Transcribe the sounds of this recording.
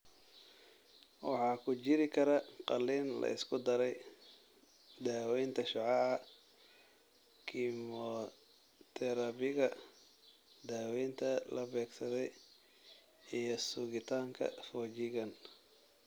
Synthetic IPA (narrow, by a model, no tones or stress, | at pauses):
wɑ̰ħɑːkʰʊt͡ʃɪɾɪkʰɐɾɐqɑlːiːnlɐ̰ɪ̰skʰʊd̪ɐɾɛj | d̪aːwɛjnt̪ʰɐʃʊʕɑɐ | kʰimɔ | t̪ʰɛɾɐβɪɣɐ | d̪aːwɛjnt̪ʰɐlɐbɛːɡsɐðɛj | ijɞsʊɣɪt̪ʰaːŋkʰɐ̰fɔːt͡ʃɪɣɐn